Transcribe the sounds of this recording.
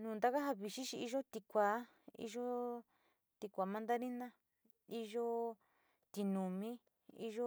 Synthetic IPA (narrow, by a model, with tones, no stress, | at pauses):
nũː˨nd̪a˦ka˦ɦa˧βi˨ʃi˦ʃi˧i˧ʒo˦t̪i˧kʷaː˨˦ | ḭ˧ʒo˦ | t̪i˧kʷa˨mã˧nd̪a˦ɾi˦nã˦ | i˦˧ʒo˦ | t̪i˧nũ˨mĩ˦ | i˧ʒo˦